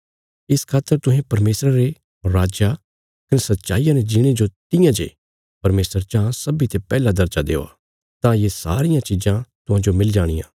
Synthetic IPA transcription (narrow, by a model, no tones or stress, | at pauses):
ɪskʰaːt̪ːəɾt̪ʊɦẽpɐɾmeːsɾaɾe | ɾaːd͡ʒa | kɐnesɐt̪ːʃa̰ːijãned͡ʒɪɽ̃ed͡ʒot̪ɪjãd͡ʒḛ | pɐɾmeːsəɾt͡ʃãːsɐbit̪epɛːlad̪ɐɾd͡ʒad̪ḛːo̰a̰ | t̪ãjesa̰ːɾɪjãt͡ʃid͡ʒãt̪ʊɦãd͡ʒomɪld͡ʒaːɽ̃ɪ̰jã̰ː